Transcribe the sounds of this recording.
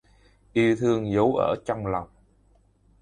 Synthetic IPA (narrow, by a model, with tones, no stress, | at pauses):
ʔi˧əwt̪ʰɨ˧əŋzə˨˦wʔə̰ː˧˩t͡ɕɔ˧wŋ͡mla˨˩wŋ͡m